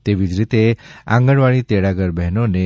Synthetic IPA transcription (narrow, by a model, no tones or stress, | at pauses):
t̪eʋid͡zɾit̪eã̰ŋɡəɽʋaɭ̃ĩt̪eɽaɡəɾbʱɛɦnone